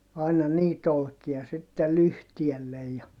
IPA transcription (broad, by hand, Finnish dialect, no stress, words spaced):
ɑinɑ niːt olkiɑ sitːe lyhtielːej jɑ